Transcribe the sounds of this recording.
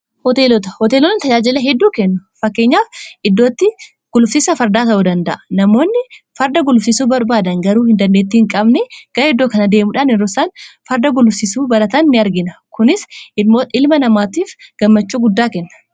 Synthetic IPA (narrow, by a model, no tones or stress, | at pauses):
hɔt̪eːlɔt̪ɐ̥hɔt̪eːlɔnɪt̪ɐd͡ʒaːd͡ʒɪlɛɦɛd̪ːuːkɛnːʊfɐkːeːɲːaːfɪd̪ːoːt̪ːɪ | ɡ̥ʊlʊfsiːsɐfɐɾd̪aːt̪ɐʔud̪ɐnd̪ɐʔɐ̥nɐmo̞ːnːɪfɐɾd̪ɐɡʊlʊfsisuːbɐɾbaːd̪ɐŋɡɐɾuːhɪnd̪ɐnːet̪ːɪhɪŋkʼɐbnɛɡ̥ɐɾɛd̪ːoːkɐnɐd̪eːmʊᶑaːnɛɾːɔsaːnfɐɾd̪ɐɡʊlʊfsisuːbɐlɐt̪ɐnːɪɐɾɡɪnɐkʊnɪsɪmːoːɪlmɐnɐmaːt̪iːfɡ̥ɐmːɐt͡ʃːuːɡʊd̪ːaːkɛnːɐ̥